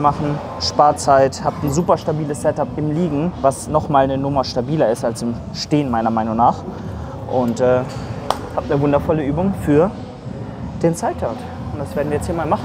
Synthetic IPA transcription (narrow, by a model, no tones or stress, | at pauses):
maχn̩ | ʃpaːɐt͡saɪthaːpn̩zuːpɐʃtabiːləssɛtapɪmliːɡŋ̩vasnɔχmaːlnənʊmɐʃtabiːlɐɪstalsɪm | ʃteːənmaɪnɐmaɪnʊŋnaːχ | ʔʊntɛː | haːp̚tnəvʊndɐfɔləʔyːbʊŋfyːɐ | d̥eːnt͡saɪtʰaɐt | ʊntd̥asv̥eːɐdn̩iːɐjɛt͡sthiːɐmaːlmaχn̩